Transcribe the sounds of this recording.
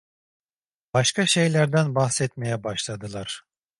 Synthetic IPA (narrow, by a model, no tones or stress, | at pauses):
b̥aʃkʰaʃe̞jlʲæɾd̪ænbahsɛt̪mejɛbaʃlˠad̪ɯlˠaɾ̥